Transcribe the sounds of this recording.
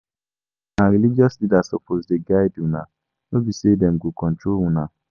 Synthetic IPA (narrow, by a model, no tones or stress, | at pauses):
naɾilid͡ʒɔslidasɔpʰozdeɡaɪdũna | nobisedɛm̩ɡokɔ̃n̩touna